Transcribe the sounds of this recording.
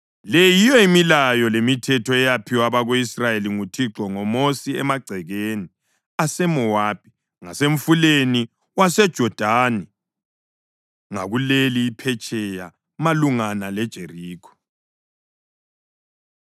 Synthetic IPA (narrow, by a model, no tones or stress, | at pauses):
lejijɔimilajɔlemitʰɛtʰɔɛjapʰiwaβaɣoisrajeliŋutʰiǁɔŋɔmosiɛmaɡ͡ǀʱɛɣeːni | asɛmɔwaːb̥ʱi | ŋaseɱfuleni | wasɛd̥ʒ̥ʱɔd̥ʱaːnɛ | ŋa̰ɣuleliːpʰɛt͡ʃʼɛja | maluŋanalɛd̥ʒ̥ʱeriːkʰɔ̥